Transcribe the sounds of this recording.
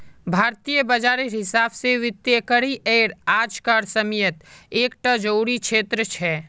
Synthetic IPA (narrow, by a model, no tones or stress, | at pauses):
bʱaːɾt̪ijəbɐd͡ʒaːɾiɾɦɪsaːbseʋɪt̪jekəɽiʔeːɾaːd͡ʒkaɾsəmjət̪eːkʈəd͡ʒəuːɾikʃʰeːt̪ɾət͡ʃʰɛː